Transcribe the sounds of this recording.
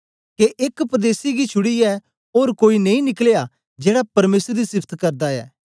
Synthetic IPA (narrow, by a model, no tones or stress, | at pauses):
keʔekpɾəd̪eːsiɡit͡ʃʰʊɽiɛ | oːɾkoːinɐ̃ĩnɪkleja | d͡ʒeːɽapɐɾmeːsəɾd̪isɪpʰt̪ʰkɐɾd̪aɛ̰ː